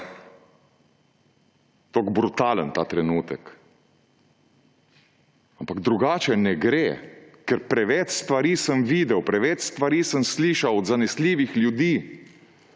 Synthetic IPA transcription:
t̪oɡbɾut̪aːlənt̪aːt̪ɾɛnuːt̪ək | ampaɡd̪ɾuɡaːt͡ʃɛnɛɡɾekɛɾpɾɛʋɛt͡ʃst̪ʋaɾiːsəmʋiːd̪ɛwpɾɛʋɛt͡ʃst̪ʋaɾiːsəmsliːʃawɔd̪zanɛsliːʋixljud̪iː

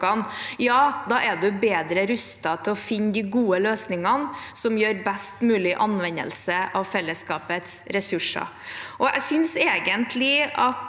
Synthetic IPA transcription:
ɑnjɑːd̪ɑʔɛd̪ʉbeːd̪ɾəɾʉst̪ɑt̪ʰɪlɔfɪnːd̪ɪɡuːəløːsnɪŋɑnsɔmjøːɾbɛst̪mʉːlɪʔɑnʋɛnːə̰lsəʔɑʋfɛlːəskɑːpət̪sɾɛsʉʂə̰ | ʔɔæ̰ɪsʏnseːɡənt̪ʰlɪɑt̪

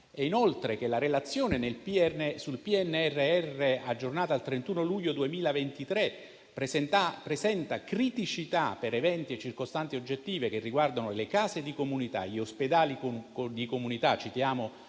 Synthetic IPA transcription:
ɛinolt̪ɾekelaɾelat̪sːjoːnenelpisulpiɛnːɛrːeɛrːead͡ʒːornaːt̪aːlt̪ɾent̪uːnoluʎːod̪uemiːlavent̪it̪ɾe | pɛapɾesɛnt̪akɾit̪it͡ʃit̪apeɾevɛnt̪iet͡ʃːirkost̪ant̪iod͡ʒːet̪ːiːvekerːiɡward̪anolekaːzed̪ikomunit̪a̰ʎiosped̪aːlid̪ikomunit̪at͡ʃːit̪jaːmo

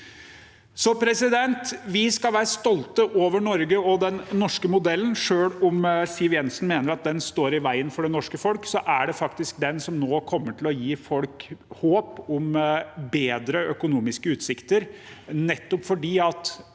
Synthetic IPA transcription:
sɔpʰɾɛsɪd̪ɛnt̪ʋɪskɑlʋæːɾəst̪ɔlt̪əʔoːʋəɳɔɾɡəɔd̪ɛnːɔʂkəmʊd̪ɛlːənʂøːɽɔmsiːʋjɛnsnmeːnəɾɑt̪̚d̪ɛnst̪oːɾɪʋæɪənfɔɖɛnɔʂkəfɔlksɔʔæɖɛfɑkt̪ɪsk̚d̪ɛnsɔmnoːkʰɔmːəʈʰɪlɔjiːfɔlkhoːpʊmbeːd̪ɾəœkʊnuːmɪskəʉːt̪sɪkt̪əɾnɛt̪ːɔpfɔɖiːɑt̪

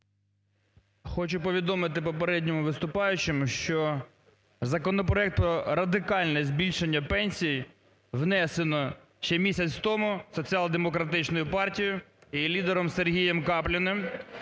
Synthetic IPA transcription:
xɔt͡ʃʊpɔʋʲid̪ɔmɪt̪ɪpɔpeɾɛdʲnʲɔmʊʋɪst̪ʊpɑjʊt͡ʃemʊʃt͡ʃɔ | zɐkɔnɔpɾɔɛk̚t̪̚pɾɔɾɐd̪ɪkɑlʲnɛzʲbʲilʲʃenʲːɐpɛnʲsʲiji | wnɛsenɔ | ʃt͡ʃɛmʲisʲɐt͡sʲwt̪ɔmʊsɔt͡sʲiɑlˠd̪emɔkɾɐt̪ɪt͡ʃnɔjʊpɑrtʲijʊilʲid̪eɾɔmserɦʲijɛmkɑplʲɪnɪm

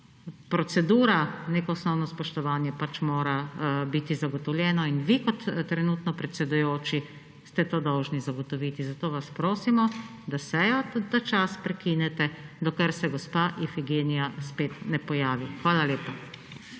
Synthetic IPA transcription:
pɾɔt̪sɛd̪uːɾaneːkɔɔsnɔwnɔspɔʃt̪ɔʋaːnjɛpat͡ʃmoːɾabit̪izaɡɔt̪ɔwljɛːnɔinʋikɔt̪ːɾɛnuːt̪nɔpɾɛt̪sɛd̪ujoːt͡ʃi | st̪ɛt̪oːd̪ɔwʒnizaɡɔt̪ɔʋiːt̪izat̪oːʋaspɾoːsimɔ | d̪asɛjɔd̪at͡ʃaspɾɛkinɛt̪ɛd̪ɔkɛɾsɛɡɔspaʔifiɡeːnijaspeːt̪nɛpɔjaːʋixʋaːlaleːpa

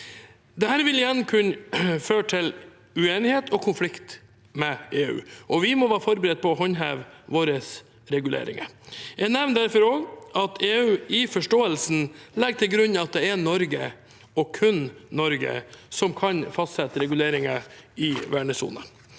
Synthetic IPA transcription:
d̪ɛhæːɾʋɪlɪjɛnkʰʉnføːʈʰɪl | ʉeːnɪheːt̪ʰɔkʰʊnflɪkt̪ | mɛeːʉ̰ːʔɔʋɪmɔʋɑːfɔɾbəɾɛd̪̚pʰɔːɦɔɲɦæːʋʋoːɾəs | ɾɛɡʉlḛːɾɪ̰ŋə̰jænæʋnd̪æɾfɔɾoːɡʔɑt̪ʰeːʉːɪfɔʂʈoːəlsn̩lɛɡʈ̪ʰɪlɡɾʉnːɑt̪̚d̪ɛɛnɔɾɡə̰ | ɔkʰʉnːɔɾɡə̰sɔmkʰɑnfɑst̪sɛt̪əɾɛɡʉleːɾɪŋəɪʋæːɳəsṵːnə

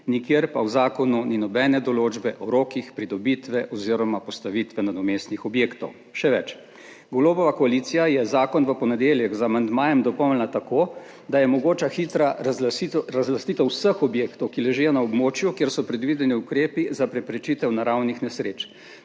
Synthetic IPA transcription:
nikjeːɾpawzaːkɔnuninɔbɛːnɛd̪ɔloːd͡ʒbɛʔɔɾoːkixpɾid̪ɔbit̪ʋɛʔɔziɾɔmapɔst̪aʋit̪ʋɛnad̪ɔmeːst̪nixɔbjeːkt̪ɔ̰w | ʃɛʋɛt͡ʃ | ɡoloːbɔʋakɔalit̪sijajɛzaːkɔnʋəpɔnɛd̪eːljɛɣzaːmand̪maːjɛmd̪ɔpɔwlnat̪akoː | d̪ajɛmɔɡoːt͡ʃaxit̪ɾa | ɾazlast̪iːt̪ɔwsəxɔbjeːkt̪ɔwkilɛʒɛjɔnaɔbmoːt͡ʃjukjeːɾsɔpɾɛd̪ʋid̪ɛniukɾeːpizapɾɛpɾɛt͡ʃit̪ɛwnaɾawnixnɛsɾeːt͡ʃ

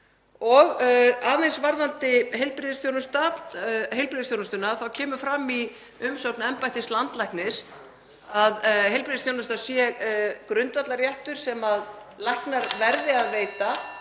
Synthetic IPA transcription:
ɔɣaːðejnsvaɾðant̪ɪɦejlpɾɪðɪst̪jownʏst̪aɦejlpɾɪðst̪jownʏst̪ʏnaθawcʰɛːmʏfɾami | ʏmsowknɛmpajt̪ɪst̪lant̪lajhknɪs | aðɦejlpɾɪðɪst̪jownʏst̪asjɛkɾʏnt̪vat̪laɾjɛht̪ʏɾ̥sɛmaðlahknaɾvɛɾðɪaðveːjt̪a

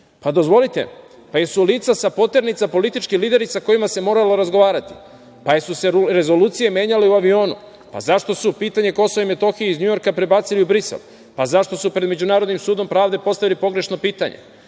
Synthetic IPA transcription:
pad̪o̞zʋo̞lit̪e̞̰ | pajesuliːt̪sasapo̞t̪e̞ɾnit̪sapo̞lit̪it͡ʃkixliːd̪e̞ɾisako̞jimase̞mo̞ːɾaloɾazɡo̞ʋaːɾat̪i̥ | pajesuseɾezo̞luːt̪sije̞mje̞ːɲaleuaʋio̞ːnṵ | pa̰zaʃt̪o̞supiːt̪aɲe̞ko̞soʋaimet̪o̞xijeizɲujo̞ɾkapɾebat̪siliubɾisḛl | pazaʃt̪o̞supɾe̞d̪me̞d͡ʑunaːɾod̪nimsuːd̪o̞mpɾaːʋd̪e̞po̞st̪aʋilipo̞ɡɾe̞ʃno̞piːt̪aɲḛ

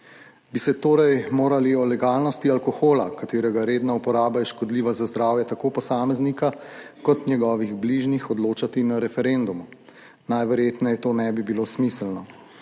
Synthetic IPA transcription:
bisɛt̪oːɾɛjmoːɾaliɔlɛɡaːlnɔst̪ialkɔxoːla̰kat̪eːɾɛɡaɾeːd̪naupɔɾaːbajɛʃkɔd̪liːʋazazd̪ɾaːwjɛt̪akoːpɔsaːmɛznikakɔt̪njɛɡɔːʋiɣbliʒnixɔd̪loːt͡ʃat̪inaɾɛfɛɾend̪umu | najʋɛɾjeːt̪nɛjɛt̪oːnɛbibilosmislnɔ

